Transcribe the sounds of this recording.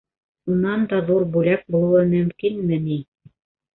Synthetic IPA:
unɑnd̪ɑðuɾbʉlæk̚bulˠɤ̆wɤmɵ̆mkinmɘni

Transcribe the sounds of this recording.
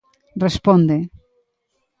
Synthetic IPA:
respond̪e

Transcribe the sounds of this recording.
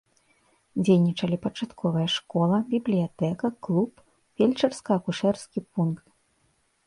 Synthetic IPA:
d͡zʲejnʲit͡ʂɐlʲipɐt͡ʂat̪kʰɔvɐjɐʂkɔlˠɐbʲiblʲijat̪ɛkɐklˠup | fʲelʲt͡ʂɐrskɐɐkuʂɛrskʲipunkt̪

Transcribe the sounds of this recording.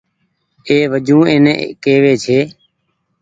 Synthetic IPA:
eːʋəd͡ʒũːeːnḛ̃ːkeːʋeːt͡ʃʰeː

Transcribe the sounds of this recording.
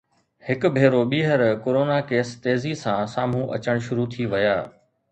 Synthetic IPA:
hɪkbʱeːɾoɓiːɦəɾkoːɾoːnakeːst̪eːzisãsaːm̤ũʔɐ̰t͡ɕəɽ̃ʃʊɾut̪ʰiʋɐjaː

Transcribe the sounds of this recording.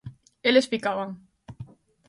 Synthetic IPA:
elespikaβaŋ

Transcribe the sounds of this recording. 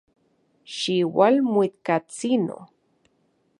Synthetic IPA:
ʃiwalmuit̪kat͡sino̰

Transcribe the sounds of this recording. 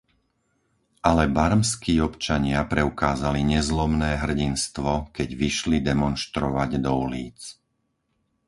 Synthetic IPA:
ʔalɛbaɾmskiːɔpt͡ʃaɲɪapɾɛukaːzaliɲɛzlɔmnɛːɦr̩ɟinst̪ʋɔkɛɟʋiʃlid̪ɛmɔnʃt̪ɾɔʋaɟd̪ɔuliːt͡s

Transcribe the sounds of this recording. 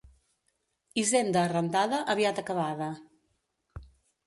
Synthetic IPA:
izend̪əːrənd̪aðəʔəβiat̪əkəβaðə

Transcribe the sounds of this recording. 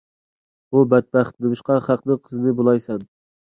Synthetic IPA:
ubɛt̪̚bæχt̪nɨmɨʃqɑχæqnɨŋqʰəzɨnɨbolˠɑjsɛn

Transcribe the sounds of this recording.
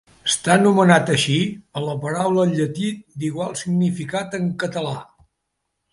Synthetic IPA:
əst̪anumənat̪əʃiələpəɾawləːʎət̪it̪̚d̪iɣwalˠsiɡnifikat̪əŋkət̪əla

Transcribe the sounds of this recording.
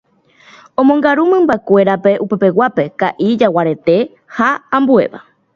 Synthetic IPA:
õ̞mõŋɡaɾumɨ̃mbakʷe̞ɾape̞ʔupepe̞wape̞kaʔid͡ʒawaɾe̞t̪e̞ | haãmbue̞̰ʋa̰

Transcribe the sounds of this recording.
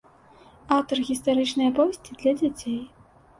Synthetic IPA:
awt̪ɐrɣʲist̪aɾɨt͡ʂnɨjɐpɔvʲɛsʲt͡sʲid̪lʲɐd͡zʲat͡sʲej

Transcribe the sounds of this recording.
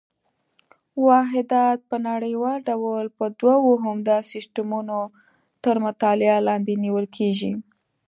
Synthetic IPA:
wɑɦɪd̪ɑt̪̚pənaɽəjwɑlɖawəlpəd̪wawoɦʊmd̪ɑsɪsʈamuno | t̪əɾmʊt̪ɑlɪalɑnd̪eniwəlkʰeʒi

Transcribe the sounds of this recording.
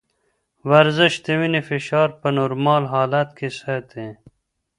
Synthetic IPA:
wɐɾzɪʃt̪ewinifiʃɑːɾpənoɾmɑːlɦɑːlat̪kʰesɐt̪ʰẽ

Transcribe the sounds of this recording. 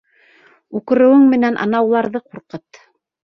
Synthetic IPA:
ukɤ̆ɾɘ̆wɘŋmɘ̆nænʔɑ̰nɑwlˠɑɾðɤquɾqɤt̪

